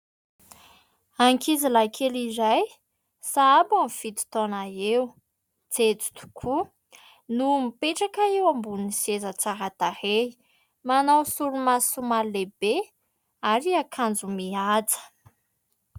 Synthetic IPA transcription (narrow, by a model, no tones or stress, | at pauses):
aŋkizilakʰeliɾaj | saabamifit̪i̥t̪onaew | t͡set͡si̥t̪u̥kʰu | numipeʈ͡ʂakaewambunisezət͡saɦat̪ahei | manawsuɾumasumalebe | aɾiakʰand͡zumiad͡zə̥